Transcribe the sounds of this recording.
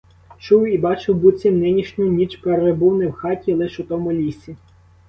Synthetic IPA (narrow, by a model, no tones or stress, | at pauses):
t͡ʃuwibɑt͡ʃɪwbut͡sʲimnɪnʲiʃnʲʊnʲit͡ʃpeɾebuwnɪwxɑtʲilˠɪʃʊt̪ɔmʊlʲisʲi